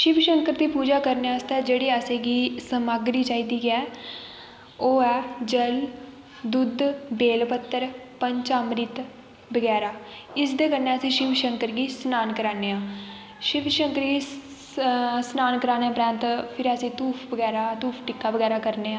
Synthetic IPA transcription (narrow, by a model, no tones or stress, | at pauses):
ʃɪpʃəŋkəɾd̪iːpuːd͡ʒaːkəɾneaːɪst̪ɛːd͡ʒeːɽeːəsẽːɡiːsəmaːɡɾiːt͡ʃaːiːd̪iːɡɛː | oːɛːd͡ʒəl | d̪ʊd̪beːlpət̪ːəɾpəɲt͡ʃaːmɾɪt̪ | bəɡɛːɾaː | ɪsd̪eːkəɾnːeːəsĩːʃɪpʃəŋkəɾɡiːsnaːnkəɾaːneːãː | ʃɪʋʃəŋkəɾɡiː | snaːnkəɾaːneaːpɾãːnt̪pʰɪɾəsĩːt̪uːpʰbəɡɛːɾaːt̪uːpʰʈɪkːaːbəɡɛːɾaːkəɾneːãː